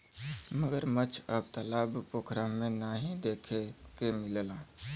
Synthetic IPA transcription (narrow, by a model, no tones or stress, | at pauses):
məɡəɾmət͡ʃʰəb̚t̪əlaːbpoːkʰɾamẽnaːɦĩd̪eːkʰekemɪlla